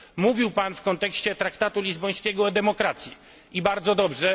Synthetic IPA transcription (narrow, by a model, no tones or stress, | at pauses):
muvʲiwpanfkɔnt̪ɛkɕt͡ɕɛt̪ɾakt̪at̪ulʲizbɔj̃skʲɛɡɔɛd̪ɛmɔkɾat̪sʲji | ibaɾd̪zɔd̪ɔbʐɛ